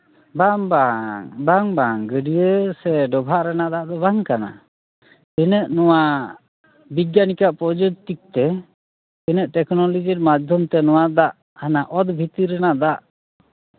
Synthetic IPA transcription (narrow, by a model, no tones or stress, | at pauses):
baŋbaŋbaŋbaŋɡəɖijəsɛɖɔbʱaʔɾɛnaʔd̪aʔd̪ɔbaŋkana̰ | pinəʔnɔwa | biɡːanikaʔpɔd͡ʒɔt̪ik̚t̪ɛ | pinəʔʈɛknɔlɔd͡ʒiɾmad͡ʒd̪ʱɔmt̪ɛnɔwaʔd̪aʔ | hanaʔɔd̪bʱit̪iɾɛnaʔd̪aʔ